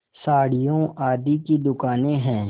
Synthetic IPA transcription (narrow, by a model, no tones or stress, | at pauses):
saːɽɪjõaːd̪ikid̪ʊkaːnẽɦɛ̃ː